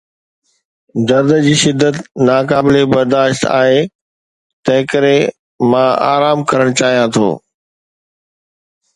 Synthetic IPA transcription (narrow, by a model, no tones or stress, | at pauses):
d̪ɐɾd̪əd͡ʑiːʃɪd̪ːət̪naːkaːbɪlebɐɾd̪aːʃt̪a̰ːɦe | t̪ɐ̃ɦɪ̃kəɾe | mãa̰ːɾaːmkɐɾəɽ̃t͡ɕaːɦijãt̪ʰo̰ː